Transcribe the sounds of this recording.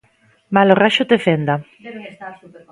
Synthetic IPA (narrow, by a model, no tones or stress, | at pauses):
maloraʃot̪efend̪a